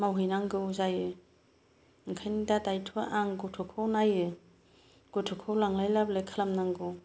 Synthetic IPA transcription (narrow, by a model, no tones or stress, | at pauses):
mawɦɯjnaŋɡɯwzajɯ | ŋkʰajnidadajtʰaʔaŋɡotʰɔkʰownajɯ | ɡ̥otʰɔkʰowlaŋlajlablekʰalamnaŋɡɯw